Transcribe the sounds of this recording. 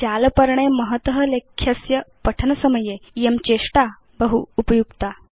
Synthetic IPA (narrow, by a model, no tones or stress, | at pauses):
d͡ʑalpəɾɳeməɦət̪əɦəlekʰːjəsjəpəʈʰənəsəməjejemt͡ɕeʂʈa | bəɦuːpəjuɡt̪a